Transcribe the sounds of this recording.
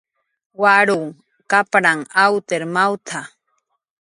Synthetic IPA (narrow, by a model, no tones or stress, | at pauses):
waɾuŋ | kapɾaŋawt̪eɾmawt̪ʰa